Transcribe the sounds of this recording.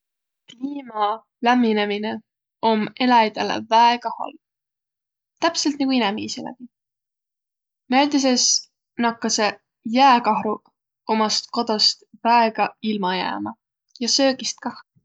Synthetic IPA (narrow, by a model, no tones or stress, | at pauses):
kliːmɑ | læmːinemine | o̞mːe̞lɑjd̪̥elḛvæeɡ̥ɑhɑ̰l | t̪æpselt̪nɑkuinɛmiːselæ̰b̥i | næjd̪is̬es | nɑkːɑse | jæːkɑhɾu | o̞mɑst̪̚ko̞d̪̥ost̪væeɡ̥ɑilmɑjæ̰ːmɑ | jɑsø̞ːɡist̪̚kɑh